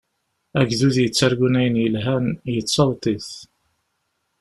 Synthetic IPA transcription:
æɡðuðjət͡sːaɾɡunæjənjəlɦænjət͡sːɑwt̪ˤiθ

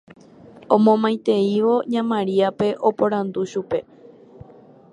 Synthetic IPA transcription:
õ̞mõmãj̃t̪e̞iʋo̞ɲãmãɾiape̞ʔopõ̞ɾ̃ãnd̪uʃupe̞

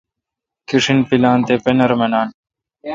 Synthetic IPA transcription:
kiʂinpilaːnt̪eːpenɐɾmɐnaːn

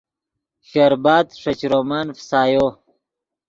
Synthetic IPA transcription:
ɕeɾbaːd̪ʂɐt͡ɕɾoːmaːnfsaːjoː

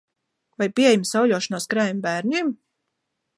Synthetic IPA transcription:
vajpʲiejmsawlʲuɔʃɔnaːskɾæːjmbæːɾnʲiɛm

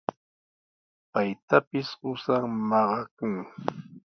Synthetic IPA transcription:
pajt̪apɪsɢʊsaŋmɑɢɑkʊŋ

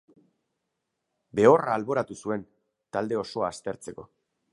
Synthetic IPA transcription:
be̞o̞raːlβo̞ɾat̪usue̞n | t̪ald̪e̞o̞so̞aːst̪e̞ɾt͡se̞ko̞

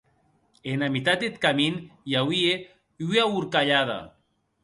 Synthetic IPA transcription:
enamit̪at̪̚det̪kaminjawie | iauɾkaʎaða̰

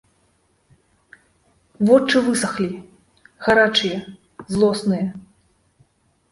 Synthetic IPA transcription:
vɔt͡ʂɨvɨsɐxlʲi | ɣaɾat͡ʂɨjɐ | zlˠɔsnɨjɐ

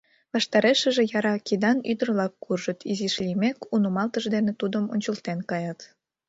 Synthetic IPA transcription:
βɑʃt̪ɑɾeʃə̆ʒĕjɑɾɑkid̪ɑnyd̪ərlɑkːurʒət̪iziʃlʲimekunumɑlt̪əʒd̪enet̪ud̪əmo̰nʲt͡ɕəlt̪enkɑjɑt̪

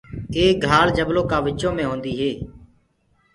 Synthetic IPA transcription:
eːɡʱaːld͡ʒəbloːkaːʋɪt͡ʃõːmẽːɦõːnd̪iːɦeː

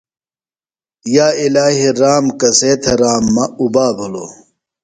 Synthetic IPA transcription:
jaːilaːɦiɾaːmkɐseːt̪ʰɐɾaːmːɐubaːbɐlo

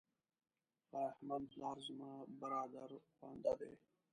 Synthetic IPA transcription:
ahmanplɑːɾzmɑːbəɾɑːd̪aɾxwa̰ːnd̪ad̪ḛː

